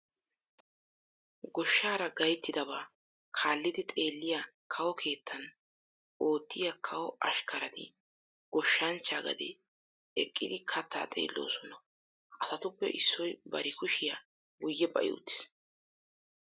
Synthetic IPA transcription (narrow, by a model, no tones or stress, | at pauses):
ɡɔʃːaːɾɐɡɐjt̪ːɪd̪ɐβaː | kʰaːlːɪd̪ɪt̪ʼe̞ːlːɪjakʰɐwɔkʰe̞ːt̪ʰːɐn | ʔo̞ːt̪ːɪjakʰɐwɔɐ̰ʃkɐɾɐt̪ɪ̰ | ɡ̥ɔʃːɐnt͡ʃːaːɡɐ̰d̪ɛ̰ | ɛkʼːɪd̪ɪkʰɐt̪ːa̰ːt̪ʼe̞̰ːlːo̰ːsɔnɐ | ʔɐsɐt̪ʊpːɛ̰ʔɪsːɔjbɐ̰ɾɪkʊʃɪja | ɡʊjːɛpʼɐ̰ʔɪ̰ʊ̰t̪ːɪ̥s